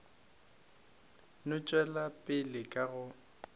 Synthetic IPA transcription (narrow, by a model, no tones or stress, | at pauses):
nʊt͡ʃʼwɛlapʼɪlɪkʼaɣʊ